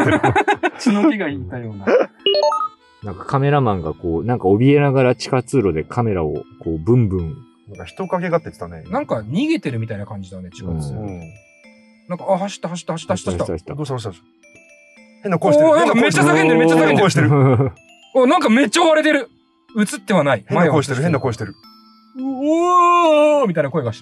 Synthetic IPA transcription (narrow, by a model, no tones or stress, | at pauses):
t͡ɕinobʲiɡaiːt̪ajo̞ːna | nãŋkḁkame̞ɾamãŋɡako̞ːnãŋkao̞bʲie̞naɡaɾat͡ɕi̥kat͡sɨːɾo̞d̪e̞kʰame̞ɾao̰koːbɯ̟̃mbɯ̟̃ŋ | nãkaçi̥t̪okake̞ɡat̪ːet̪t̪anenãŋkaɲ̟iɡe̞t̪e̞ɾɯ̟mit̪ainakãɲ̟d͡ʑid̪ane̞t͡ɕiɡã | nãŋkaahaɕi̥t̪ːahaɕ̬i̥t̪ːahaɕi̥t̪ːaɕi̥at̪ai̥t̪ːd̪ot̪ː | henːakõmeːasaket̪eɾmet͡ɕːasakeeɕt̪eɾ | onãŋkame̞t͡ɕːaoβaɾe̞t̪e̞ɾɯ̟ | ɯ̟t͡sɨt̪ːe̞βanaihẽmaeoi̥t̪eɾɯẽnːakoeɕi̥t̪eɾɯ | mʲit̪aijnakoeɡaɕi̥t̪